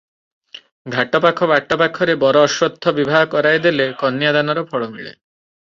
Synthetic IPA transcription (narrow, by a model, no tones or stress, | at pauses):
ɡʱaʈɔpakʰɔbʱaʈɔpakʰɔɾebɔɾɔːʃwɔd̪ʱːɔbibʱaɦɔkɔɾajd̪elekɔnːjad̪anɔɾɔpʰɔɭɔmḭɭḛ